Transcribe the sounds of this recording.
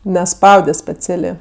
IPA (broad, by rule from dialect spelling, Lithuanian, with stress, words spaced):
nʲɛˈspɐʊdʲɛ sʲpʲɛˈt͡sʲæːlʲeː